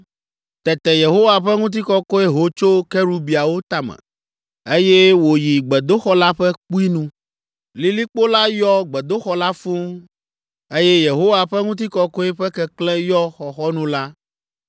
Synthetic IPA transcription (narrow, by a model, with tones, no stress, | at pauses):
t̪ɛ˨t̪ɛ˨je˨ɦo˦wa˨ɸɛ˦ŋũ˦t̪̬i˦kɔ˦kɔ˦e˦ɦo˨t͡ʃo˦kɛ˦ɾu˦bi˨a˨wo˦t̪a˦mɛ̰̃˨ | e˦je˦wo˨ji˨ɡ͡bɛ˨d̪o˦xɔ˦la˦ɸɛ˦k͡pu˦i˦nũ˦ | li˨li˦k͡po˦la˦jɔ˦ɡ͡bɛ˨d̪o˦xɔ˦la˦fũ˦ | e˦jɛ˦je˨ɦo˦wa˨ɸɛ˦ŋũ˦t̪̬i˦kɔ˦kɔ˦e˦ɸɛ˦kɛ˦klɛ̃˦jɔ˦xɔ˨xɔ˦nũ˦la˦